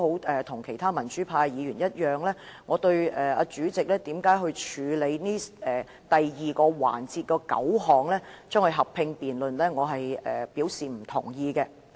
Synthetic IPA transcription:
ho˨˥wɛː˨t̪ʰʊ˨˩ŋkʰe˨˩jt̪ʰaː˥mɐ˨˩nt͡ʃyː˨˥pʰaː˧jjiː˨˧jyː˨˩njɐ˥t̚jœː˨ŋlɛː˥ŋɔː˨˧t̪ɵ˧ɥɛː˨˩a̰ː˧t͡ʃyː˨˥t͡sɪ˨k̚lɛː˥t̪iː˨˥mkaː˨˥jɦɵ˧t͡ʃʰyː˨˧le˨˧jniː˥ɛː˨ | t̪ɐ˨jjiː˨kɔː˧wa̰ː˨˩nt͡siː˧t̚kɔː˧kɐ̰˨˥wɦɔː˨˩ŋlɛː˥t͡ʃœː˥ŋhɵ˨˧ɦɐ˨pʰːɪ˧ŋpiː˨nlɵ˨nlɛː˥ŋɔː˨˧ɦɐ˨jɛː˨˩piː˨˥wsiː˨˩m̩˨˩t̪ʰʊ̰˨˩ŋjiː˧kɛ˧

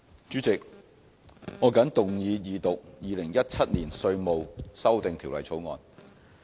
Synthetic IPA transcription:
t͡ʃyː˨˥t͡sɪ˨k̚ | ŋɔː˨˧kɐ˨˥nt̪ʊ˨ŋjiː˨˧jiː˨t̪ʊ˨k̚jiː˨lɪ˨˩ŋjɐ˥t̚t͡sʰɐ˥t̚niː˨˩nsɵ˧ɥmo˨wsɐ˥wt̪ɪ˨ŋt̪ʰiː˨˩wlɐ˨jt͡sʰo˨˥wŋɔ̰ː˨˧n

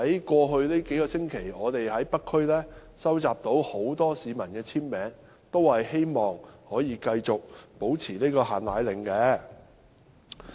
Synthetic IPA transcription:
hɐ˨˥jkʷɔː˧ɦɵ˧ɥneː˥ke˨˥jkɔː˧sɪ˥ŋkʰe˨˩jɔː˨˧t̪e˨jhɐ˨˥jpɐ˥kʰːɵ˥ɥlɛː˥ | sɐ˥wt͡saː˨p̚t̪o˨˥who˨˥wt̪ɔː˥siː˨˧mɐ˨˩nkɛː˧t͡sʰiː˥npɛː˨˥ŋ | t̪o˥whɐ˨jhe˥jmɔː˨ŋhɔː˨˥jiː˨˧kɐ˧jt͡sʊ˨k̚po˨˥wt͡sʰiː˨˩neː˥kɔː˧ɦaː˨nla̰ː˨˧jlɪ˨ŋkɛː˧

